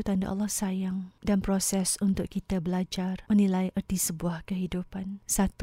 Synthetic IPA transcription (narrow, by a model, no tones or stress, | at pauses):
ut̪anda̰ʔɑ̰lːɔhsajaŋdanpɾosɛsunt̪ʊʔkit̪abəlad͡ʒarmənĩlajʔərt̪isəbuahkəɦidupansat̪